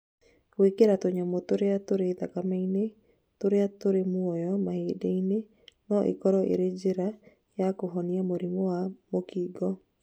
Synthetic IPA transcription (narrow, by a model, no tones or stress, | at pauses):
wekeɾatoɲamotoɾeatoɾeðakamaine | toɾeatoɾemwɔjɔmaheːdeine | nɔʔḛkɔɾɔʔḛɾed͡ʒeɾa | jakoɦɔniamoɾimowamokiːɡɔ